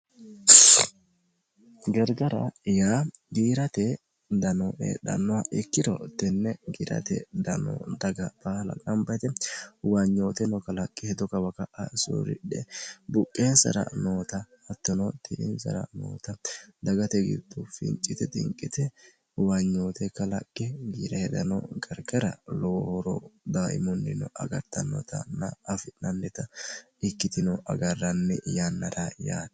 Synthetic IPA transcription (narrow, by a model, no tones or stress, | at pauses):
ɡɛɾɡɐɾɐ̰jaːɡiːɾɐt̪ɛ | d̪ɐnoːʔɛ̰d̪ɐ̰nːɔwaʔɛkːɪd̪ɔ̰t̪ɛnːɛɡiːɾɐ̰t̪ɛ̰d̪ɐno̰d̪ɐɡɐb̥aːlɐ̰nɐmbɐjt̪ɛwɐɲːoːt̪ɛnɔkɐlɐkʼːɪhɛd̪ɔkɐwɐkɐʔɐso̰ːɾɪ̰ᶑɛbʊkʼːeːnsɐ̰ɾɐ̰noːt̪ɐː | t̪ːɔnɔt̪ɪʔɪ̰nsɐ̰ɾɐ̰no̰ːt̪ɐd̪ɐɡɐt̪ɛɡɪ̰d̪ʊfɪ̰nt͡ʃʼːɪt̪ɛt̪ʼɪ̰ŋkʼːɪt̪ɛ | wɐɲːoːt̪ɛkːɐlɐkʼːɛɡiːɾɐhɛd̪ɐnɔ̰ɡɐɾɡɐɾɐ̰loːhɔɾɔ̰d̪aːʔɪ̰mɔnːɪnɔʔɐɡɐɾt̪ːɐnɔ̰t̪ɐ̰nːɐɐfɪnɐnːɛt̪ɐ | ɪkːɪt̪ɪnɔʔɐ̰ɡɐrːɐnːɛ̰janːɐɾajaːn